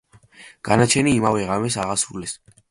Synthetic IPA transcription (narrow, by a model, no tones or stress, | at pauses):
ɡ̥anat͡ʃʰɛniːmavɛʁamɛsaʁasɾulɛs